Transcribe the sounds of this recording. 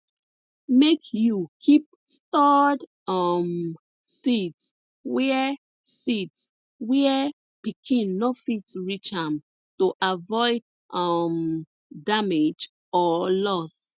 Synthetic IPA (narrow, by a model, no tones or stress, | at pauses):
mekʰjukʰip̚stad | ʌm | sits | wɛ | sits | wɛ | pikʰĩnːofitɹit͡ʃãm | toʔavɔɪd̚ | ʔʌm | damed͡ʒ | ɔlɔs